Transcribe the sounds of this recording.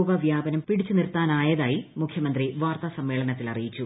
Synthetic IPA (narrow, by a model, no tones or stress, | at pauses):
ɡɐʋjaːbɐnɐmpiɽit͡ɕːunirt̪ːaːnaːjɐðaːjimukʰjɐmɐnd̪riʋaːrt̪ɐsɐmːeːɭɐnɐt̪ːilɐrijit͡ɕːu